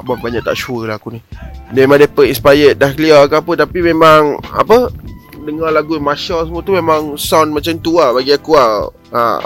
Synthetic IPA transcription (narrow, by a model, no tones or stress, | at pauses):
aʔbabaɲak̚t̪a̰ʔt͡ʃuəlahkunidəmemãdəpəʔĩnspajət̪̚dahkliakaapət̪apimemãŋa̰pə | dəŋalaɡujamaʃalsəmuat̪umemãŋsanmat͡ʃant̪uabaɡiakua | a̰